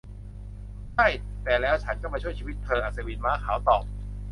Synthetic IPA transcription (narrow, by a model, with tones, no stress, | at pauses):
t͡ɕʰa˥˩j | t̪ɛː˨˩lɛː˦˥wt͡ɕʰa˦˥nkɔ˥˩ma˧t͡ɕʰu˥˩t͡ɕʰi˧wi˦˥t̪ʰːɤː˧ʔaː˨˩t̪̚sa˧wiː˧nmaː˦˥˩kʰaː˩˦wt̪ɔː˨˩p̚